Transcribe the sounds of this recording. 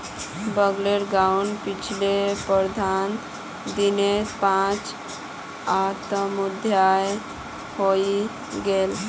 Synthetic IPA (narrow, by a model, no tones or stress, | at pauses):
bəɡleɾɡauɳɖpit͡ʃʰilepəɾd̪ʱan | d̪inepãt͡ʃ | at̪əmud̪ʱjaj | hoi | ɡel